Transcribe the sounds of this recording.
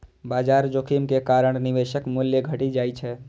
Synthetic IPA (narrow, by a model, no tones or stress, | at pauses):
bad͡ʒaɾd͡ʒokʰimkekaɾəɳ̃nibeʃəkmuljəɡʱəʈid͡ʒajt͡ʃʰɛ